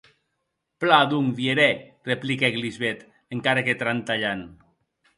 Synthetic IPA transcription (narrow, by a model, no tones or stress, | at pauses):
plad̪uŋvieɾɛreplikɛɣlizβɛt̪ | eŋkaɾaket̪ɾant̪aʎan